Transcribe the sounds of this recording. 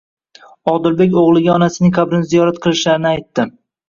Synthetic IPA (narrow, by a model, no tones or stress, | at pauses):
ɒd̪ɪɾbe̞kʲoʁlˠɪɡʲaɒnasɪnɪŋkʰabɾɪnzijɒɾat̪qʰɨlˠɪʃlaɾɪnɪajt̪ːɪ